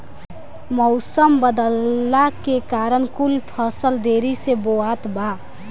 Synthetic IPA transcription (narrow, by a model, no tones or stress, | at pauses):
mɔʊsəmbəd̪əlːakekaɾənkulpʰəsəld̪eɾiseboat̪ba